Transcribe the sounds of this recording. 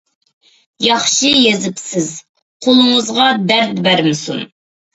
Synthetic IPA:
jɑχʃijezɪpsɪz | qʰolˠɨŋəzʁɑd̪æɾt̪̚bæɾmɪsṵn

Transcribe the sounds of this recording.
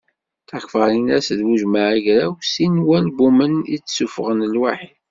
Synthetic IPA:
θakfəɾinæsðwuʒmaʕiʝɾæwsinwælbumənḭt͡sːsufʁənlwaħid

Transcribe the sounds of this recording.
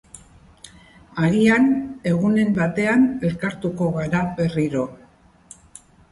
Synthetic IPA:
aɾiane̞ɣune̞mbat̪e̞ane̞lkaɾt̪uko̞ɣaɾaβe̞riɾo̞

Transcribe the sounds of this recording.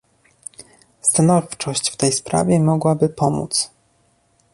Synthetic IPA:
st̪anɔft͡ʂɔɕt͡ɕft̪ɛjspɾa̰vʲjɛmɔɡwabɘpɔmṵt̪s

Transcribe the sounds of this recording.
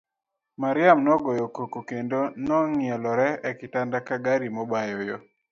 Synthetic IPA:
maɾɪamnɔɡɔjokokokendonɔŋɪɛlɔɾɛɛkɪtandakaɡaɾimɔbajɔjo

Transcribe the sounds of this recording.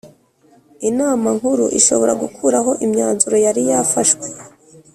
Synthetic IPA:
inaːmaŋhuɾuʔḭʃo̞̰βo̞ɾaɡukʰuɾaɦo̞ʔimɲaːnzuɾo̞jaɾijaːfaʃwe̥

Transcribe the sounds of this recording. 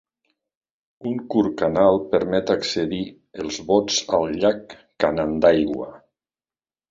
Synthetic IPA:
uŋkuɾkanalˠpəɾmɛt̪akseði | əlˠzβɔt͡salʎakː | anand̪ajɣwa̰

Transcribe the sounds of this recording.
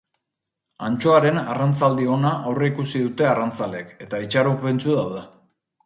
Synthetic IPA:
ant͡ʃo̞aɾe̞narant͡sald̪io̞naʔːwreikusiðut̪e̞arant͡sale̞ke̞t̪ait͡ʃaɾupe̞nt͡suðawðe

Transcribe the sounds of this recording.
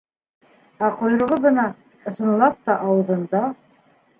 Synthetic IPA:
æqŏjɾɤ̆ʁɤβɤ̆nɑ | ɤ̆ʃɤ̆nlˠɑp̚t̪ɑʔɑwɤ̆ðɤ̆nd̪ɑ

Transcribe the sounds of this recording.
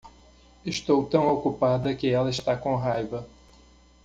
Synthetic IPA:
ɪʃt̪owt̪ɐ̃w̃okupad̪ɐkɪɛlɐɪʃt̪akõɦajvɐ

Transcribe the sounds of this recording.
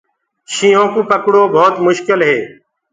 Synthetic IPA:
ʃiːõːkũːpəkɽoːbʱoːt̪mʊʃkɪlɦeː

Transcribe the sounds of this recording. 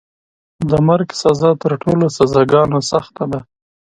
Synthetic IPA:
d̪əmaɾɡsazɑt̪əɾʈʰolosazɑɡɑnosaxt̪ad̪a

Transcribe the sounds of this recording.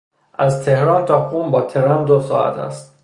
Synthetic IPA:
ʔæzt̪ʰe̞hɾɒːnt̪ʰɒːxumbɒːt̪ʰeɾæmd̪osɒ̰ːæ̰t̪ʰæ̰st̪̚

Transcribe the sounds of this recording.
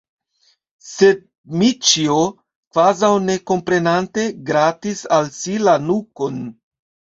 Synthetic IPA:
se̞d̚ | mit͡ʃio | kvazawne̞ko̞mpɾe̞nante̞ɡɾatisalsilanuko̞n

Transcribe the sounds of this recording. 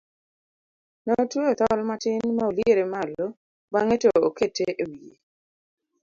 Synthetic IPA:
nɔtoet̪ɔlmatɪnmaolieɾemalo | baŋetooketeʔewie

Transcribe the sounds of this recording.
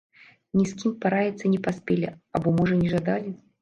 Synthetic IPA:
nʲiskʲimpaɾajʲɛt̪sənʲɪpaspʲelʲɪa̰bɔmɔʐənʲɪʐad̪alʲɪ

